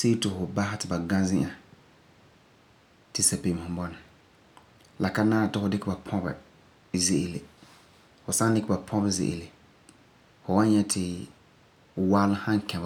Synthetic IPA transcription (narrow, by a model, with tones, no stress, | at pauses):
se˦tɪ˨fʊ˨ba˦hɪ˦tɪ˨ba˨ɡã˦zɪ̃˦ʔa˨ | tɪ˨sa˨pe˨m˨ʊ̃˦bɔ˦nɪ˨ | la˨ka˦naː˦a˨tɪ˦fʊ˨dɪ˦kɪ˦ba˨pʰɔ̃˦bɛ̰˨ | ze˨ʔe˨le˨ | fʊ˨sa˦dɪ˦kɪ˦ba˨pʰɔ̃˦bɛ˨zɪ̰˨ʔḛ˨le˨ | fʊ˨wa˦nɲɛ˦tʰɪ˨ | waː˦lʊ˦hã˦ŋ˦kɛ̃˨b